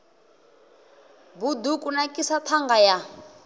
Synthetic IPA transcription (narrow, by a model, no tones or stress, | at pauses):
bud̪ukʼunakʼisat̪ʰaŋɡaja